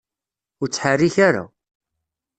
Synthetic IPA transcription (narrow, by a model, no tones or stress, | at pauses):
ʊɾt͡sːħarːiçaɾa̰